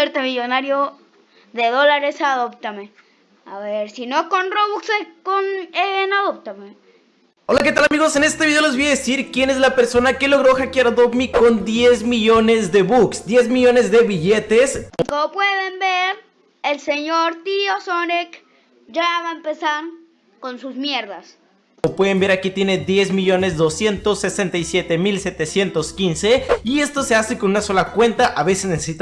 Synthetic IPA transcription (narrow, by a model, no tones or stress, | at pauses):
eɾt̪emiʝo̞naɾjo | ðe̞ðo̞laɾe̞saðopt̪ame | a̰βeɾsino̞konroβuksekonenaðop̚t̪ame | o̞lake̞t̪alamiɣo̞se̞ne̞st̪eβiðe̞olezβojaðesiɾkje̞ne̞zlapeɾso̞nake̞lo̞ɣɾo̞xakjaɾaðomiko̞nd̪je̞zmiʝo̞ne̞zðe̞βuksd̪je̞zmiʝo̞ne̞zðe̞βiʝe̞t̪eskomopweðembeɾ | elseɲoɾt̪iosonek | ʝaβaempesaɾ | ko̞nsuzmjeɾðas | opwe̞ðe̞mbeɾakit̪je̞ne̞ðje̞zmiʝo̞ne̞zðo̞sje̞nt̪o̞sːe̞se̞nt̪ajsje̞t̪e̞milse̞t̪e̞sje̞nt̪o̞skinse̞ie̞st̪o̞se̞aseko̞nunaso̞lakwe̞nt̪aʔaβe̞seznesesit̪